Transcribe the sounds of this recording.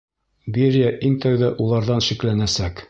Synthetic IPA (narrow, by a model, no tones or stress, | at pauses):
biɾjæʔiŋt̪æwðæʔulˠɑɾðɑnʃiklænæsæk